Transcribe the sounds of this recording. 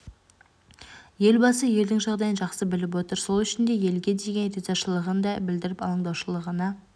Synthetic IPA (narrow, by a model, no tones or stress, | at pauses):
je̞lbɑsəje̞ld̪ɪŋʒɑʁd̪ɑjənʒɑqsəbɪlɪp̬wo̞t̪əɾso̞lˠʏʃɪnd̪e̞je̞lɡʲe̞d̪e̞ɡʲe̞nɾezɑʃəlˠəʁənd̪ɑbɪld̪ɪɾɪpɑlˠəɴd̪ɑwʃəlˠəʁənɑ